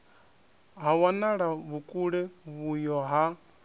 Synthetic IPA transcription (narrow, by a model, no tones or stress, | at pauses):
ɦawanaɺaβukʼuɺɛβujɔɦa